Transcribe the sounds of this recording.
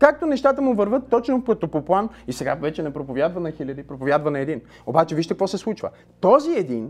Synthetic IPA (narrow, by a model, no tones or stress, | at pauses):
kak̚t̪onɛʃt̪at̪əmʊvəɾvɤt̪ːɔt͡ʃnofkɐt̪opoplˠanisɛɡavɛt͡ʃɛnɛpɾopovʲjad̪vɐnɐxilʲɐd̪ipɾopovʲjad̪vɐnɐɛd̪in | obat͡ʃɛviʃt̪ɛkvɔsɛslˠut͡ʃvə̰ | t̪ɔziɛd̪in